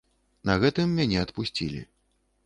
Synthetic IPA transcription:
nɐɣɛt̪ɨmːʲanʲɛɐt̪pusʲt͡sʲḭlʲḭ

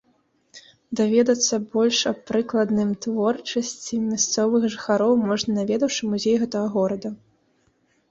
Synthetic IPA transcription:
d̪avʲɛd̪ɐt̪sːɐbɔlʲʂɐpɾɨklˠɐd̪nɨmt̪vɔrt͡ʂɐsʲt͡sʲimʲast̪sɔvɨxʐɨxaɾɔwmɔʐnɐnavʲɛd̪ɐwʂɨmuzʲejɣɛt̪ɐɣɐɣɔɾɐd̪ɐ

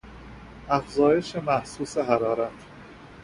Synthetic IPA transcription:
ʔæfzɒːje̞ʃemæhsuːseɦæɾɒːɾæt̪ʰ

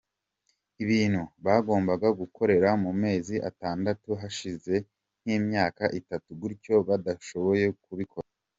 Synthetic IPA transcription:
iβiːn̥huβaɡo̞ːmbaɡaɡukʰo̞ɾe̞ɾamume̞ːziʔa̰taːndatuɦaʃize̞ | n̥hiːmɲaːkaʔitatuɡuɾco̞βadaʃo̞βo̞je̞kuβikʰo̞ɾa

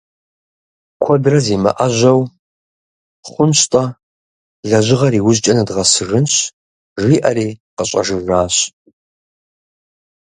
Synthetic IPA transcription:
kʷʰɔdrɐziːmɐ̰ʔɐʒʷɐw | χʷʊnɕtʼɐ | ɮɐʑɪʁɐɾiːwʊʑt͡ʃʼɐnɐdʁɐsɨrɨnɕ | ʒʷiːʔɐɾiːqəɕʼɐ̰ʒɨraːɕ

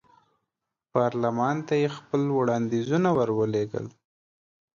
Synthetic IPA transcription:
pɑɾlamɑnt̪ajexpəlwɽɑnd̪izunawaɾwəleɡə̰l

